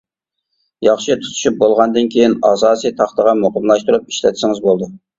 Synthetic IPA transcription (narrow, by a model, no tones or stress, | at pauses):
jɑχʃit̪ʰu̥t̪ʰu̥ʃyp̚bolˠʁɑnd̪ɨnkʲʰejinɑːsɑːsijt̪ʰɑχt̪əʁɑmoqəmlˠɑʃt̪uɾup̚i̥ʃlɛ̰t̪ʰɪ̥sɪŋɨzbolˠd̪u